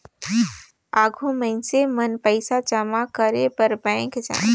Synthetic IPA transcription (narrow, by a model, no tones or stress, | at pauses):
aːɡʱõmə̃ɪnsemənpəɪsat͡ʃəmakəɾepəɾbɛ̃ːkd͡ʒã̰ː